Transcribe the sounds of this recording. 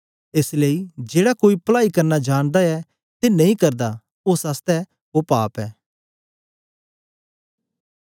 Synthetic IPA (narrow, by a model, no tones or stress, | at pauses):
eːsleːid͡ʒeːɽakoːipɐlaːikɐɾnad͡ʒaːɽ̃d̪aɛ | t̪enɐĩkɐɾd̪a | osaːst̪ɛ | opaːpɛː